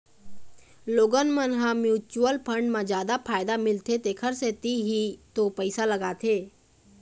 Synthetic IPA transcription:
loːɡənmənɦãmjuːt͡ʃuəlpʰəɳɖmãd͡ʒjaːd̪apʰaːjd̪amɪlt̪ʰet̪ekʰəɾset̪iɦit̪opəɪsaləɡaːt̪ʰeː

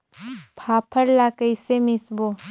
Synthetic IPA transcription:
pʰapʰəɾlakəjsemisbo

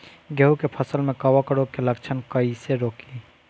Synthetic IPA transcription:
ɡəɦukepʰəsəlmẽkɐwakəɽokeləkt͡ʃʰənkəiseɾoːki

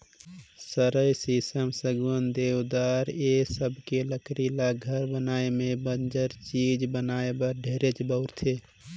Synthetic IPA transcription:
səɾəjsisəmsəɡwənd̪ewd̪aːɾesəbʱkeləkɾilaɡʱəɾbənaːemẽbənd͡ʒəɾt͡ʃid͡ʒbənaːebəɾɖʱeɾet͡ʃbəʊɾt̪ʰe

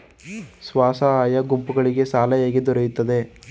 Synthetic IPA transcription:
sʋaːsɐaːjɐɡumpuɡɐɭiɡe̞saːlɐjaːɡed̪ɔɾejut̪ːɐd̪e̞

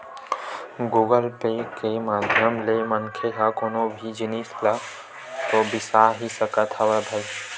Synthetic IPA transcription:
ɡuːɡəlpekemaːd̪ʱjəmlemɐŋkʰeɦakoːnobʱid͡ʒɪnisla | t̪obɪsaɦisəkət̪ʰaʋəbʱɐl

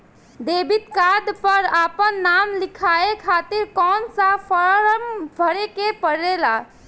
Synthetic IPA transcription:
d̪eːbɪt̪̚kad̪pəɾaːpənːaːmlɪkʰaːekʰaːt̪iɾkɔːnsapəɾəmbʱəɾekepəɾela

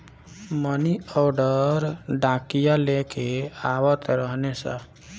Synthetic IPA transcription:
məniɔɾɖəɾɖãkijalekeawət̪ɾəɦnesə̰̃

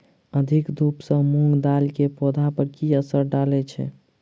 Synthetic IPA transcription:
əd̪ʱikd̪ʱupsə̃muŋɡd̪alkepod̪ʱapəɾkiəsəɾɖalɛt͡ʃʰɛ̰

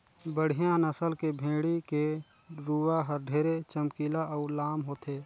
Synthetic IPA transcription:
bəɽ̤ijãnəsəlkebʱẽːɽike | ɾuːʋaɦəɾɖʱeːɾet͡ʃəmkiːlaɔːlaːmɦoːt̪eː

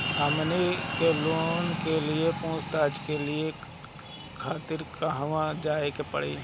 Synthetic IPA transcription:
əmnekeloːnkelɪepõːst̪aːd͡ʒkelɪe | kʰaːt̪ɪɾkaɦʋãd͡ʒaːekepə̰ɽ̤ḛ

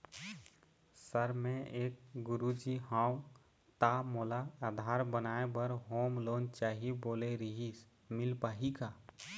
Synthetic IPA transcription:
səɾmẽeːk̚ɡʊɾud͡ʒiɦãu | t̪amoːlaad̪ʱaːɾbənaːebəɾɦoːmloːnt͡ʃaːɦiboːleɾiɦis | mɪlpaːɦika

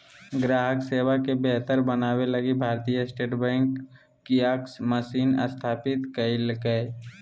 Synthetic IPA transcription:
ɡɾaːɦəkseːwakebɛɦt̪əɾbənaːwelɐɡibʱaːɾt̪ijəsʈeːʈbɛ̃ːŋkː | iaːksməsiːnə̰st̪ʰaːpɪt̪kəilkə

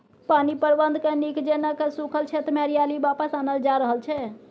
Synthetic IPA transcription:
paːnipəɾbənd̪ʱkenikd͡ʒenəkesukʰəlt͡ʃʰet̪mɛɾijaːlibaːpəsaːnəld͡ʒaɾəɦəlt͡ʃʰɛ

